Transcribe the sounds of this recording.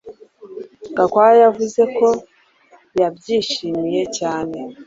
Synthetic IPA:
ŋɡakwajavuze̞ko̞ | jabɟiːʃiːmije̞caːne̞

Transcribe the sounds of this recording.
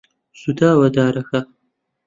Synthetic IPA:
sud̪aːwɐd̪aːɾɐxɐ

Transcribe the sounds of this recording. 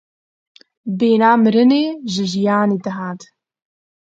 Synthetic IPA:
beːnaːmɨɾɨneːʒɨʒijaːneːd̪ɐɦaːt̪

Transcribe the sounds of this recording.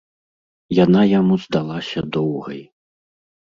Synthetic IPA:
janajamuz̥d̪alˠasʲɐd̪ɔwɣɐ̰j

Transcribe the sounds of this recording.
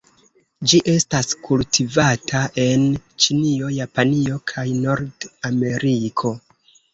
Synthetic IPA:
d͡ʒiʔe̞staskultivatʰaʔe̞nt͡ʃinio̞japanio̞kʰajno̞ɾdame̞ɾʔikʰo̞

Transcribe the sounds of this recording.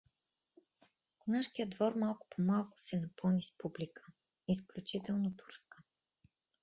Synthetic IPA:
naʃkijəd̪vɔɾmalˠkʊ̥pʰomalˠkʊ̥sɛnɐpɤlˠnispublikʰə̥ | isklʲut͡ʃit̪ɛlˠnot̪u̥ɾskə̥

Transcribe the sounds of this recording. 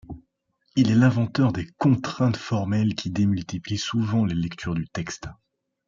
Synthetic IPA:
ilɛlɛ̃vɑ̃t̪œʁd̪ekɔ̃t̪χɛ̃t̪fɔʁmɛlkʲid̪emylt̪iplisuvɑ̃lelɛkt̪ʰyʁd̪yt̪ɛkst̪

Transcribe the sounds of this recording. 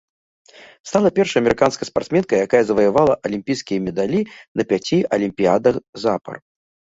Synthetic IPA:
st̪alˠɐpʲɛrʂɐjɐmʲɛɾɨkanskɐjɐspart̪smʲɛnkɐjakajɐzɐvɐjavalˠɐʔɐlʲimʲpʲijskʲijɐmʲɛd̪alʲinɐpʲat͡sʲiʔɐlʲimʲpʲiad̪ɐxzapɐ̰r

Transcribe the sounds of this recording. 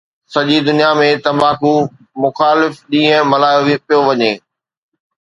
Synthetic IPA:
sɐʄid̪ʊnijamẽt̪ɐmaːku | mʊxaːlɪfɗĩːɦə̃mɐlaːjoipijoʋɐɲeː

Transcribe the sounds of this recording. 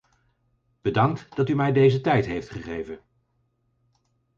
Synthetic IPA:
b̥ədɑŋtd̥ɑtymɛjdejzətɛjtɦejftχəχejvən

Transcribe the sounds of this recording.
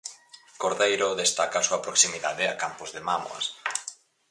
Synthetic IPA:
koɾðejɾoðest̪akasuapɾoksimiðaðɪa̰kampozðemamo̰a̰s

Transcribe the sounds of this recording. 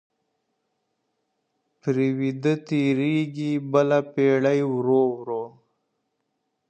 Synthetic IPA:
pɾiwid̪ət̪iɾiɡibəlapeːɽajwɾowɾo

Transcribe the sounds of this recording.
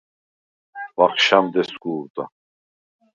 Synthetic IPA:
vaχʃamd̪ɛsɡuːɾt̪ʼa̰

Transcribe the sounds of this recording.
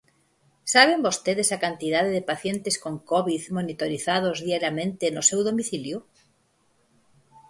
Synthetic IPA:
saβembost̪eðesakant̪ið̞aðeðepaθjent̪eskoŋkoβiðmonit̪oɾiθað̞ozðiaɾjamẽnt̪enosewðomiθilju

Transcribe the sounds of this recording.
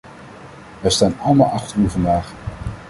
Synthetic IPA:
ɛstaːnɑlˠəma̰ːlˠɑχtəɹyvɑndaːχ

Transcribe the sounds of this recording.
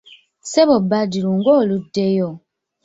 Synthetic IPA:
seβobːadiluŋɡoːludːejo

